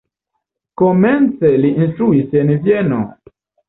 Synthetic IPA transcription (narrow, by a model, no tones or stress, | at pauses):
komɛnt͡seliʔinst̪ɾuisenvjeno̰